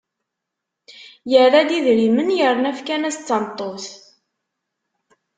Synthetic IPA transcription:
jərˤːæd̪iðɾimənjəɾˤnæfkænæst͡sːɑnt̪ˤːos

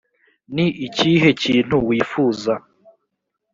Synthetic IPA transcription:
niʔiciɦe̞ciːn̥huwiːfuːza

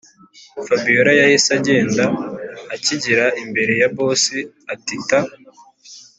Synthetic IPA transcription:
fabijoɾajajisaɟe̞ːndaː | ciɟiɾaimbe̞ɾe̞jabo̞si | atita

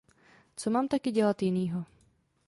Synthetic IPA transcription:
t͡somaːmt̪akɪɟɛlat̪jɪniːɦo

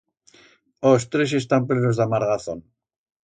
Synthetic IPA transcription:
ost̪ɾesest̪amplenozðamaɾɣaθon

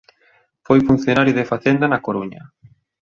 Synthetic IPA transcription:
fojfun̟θjonaɾjuðefaθend̪anakoɾuɲɐ

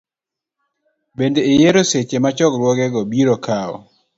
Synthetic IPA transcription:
bendeɪjeɾoset͡ʃemat͡ʃɔkɾwɔɡɛɡɔbiɾokaɔ̰

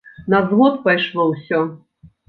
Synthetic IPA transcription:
nɐzvɔt̪pajʂlˠɔwsʲɔ

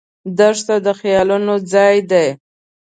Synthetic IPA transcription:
d̪əʂt̪ad̪əxjɑlunod͡zɑjd̪aj

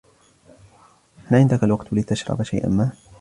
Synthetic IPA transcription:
ʔanʕɪnd̪akalwaqt̪lɪt̪aʃɾˤɑ̰baʃa̰jʔa̰nmaː

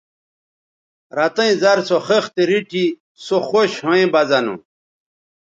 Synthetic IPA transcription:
ɾɐt̪ɐĩzɐɾsoχext̪eɾiʈʰi | soxoɕhoẽbɐzɐnṵ̃

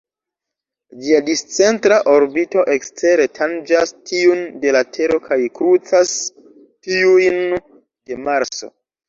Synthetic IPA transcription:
d͡ʒiadist͡se̞ntɾaʔo̞ɾbito̞ʔe̞kste̞ɾe̞tʰand͡ʒastʰiunde̞latʰe̞ɾo̞kʰajkɾut͡sas | tiujn | d̥e̞maɾt͡so̞̰

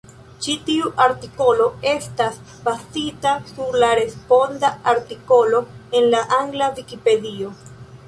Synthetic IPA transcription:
t͡ʃitiuʔaɾtiko̞lo̞e̞stas | bazitasuɾlaɾe̞spo̞ndaaɾtiko̞lo̞e̞nlaʔaŋɡlavikipe̞dio̞

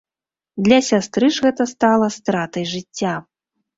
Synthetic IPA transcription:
d̪lʲɐsʲast̪ɾɨʐɣɛt̪ɐst̪alˠɐst̪ɾat̪ɐjʐɨt͡sʲːa

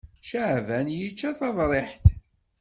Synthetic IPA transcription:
ʃəʕvænjit͡ʃːæθɑðˤɾˤeħθ

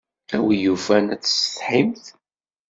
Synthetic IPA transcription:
æwijuvænæt͡sːsə̥θħimθ

